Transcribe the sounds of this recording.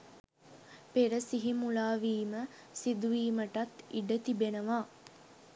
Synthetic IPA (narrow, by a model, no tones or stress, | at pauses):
peɾəsiɦimulaːʋiːmə | sid̪uʋiːməʈat̪iɖət̪ibenəʋaː